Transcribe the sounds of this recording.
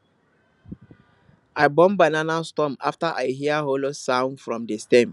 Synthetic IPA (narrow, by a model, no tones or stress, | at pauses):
aɪbɔ̃mbananastɔ̃maftaʔa̰ɪɦiaɦolosãʊ̃nfɹɔ̃mdestɛ̃m